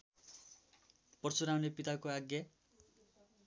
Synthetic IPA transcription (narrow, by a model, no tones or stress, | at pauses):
pʌrt͡suɾawnepit̪akoaɡja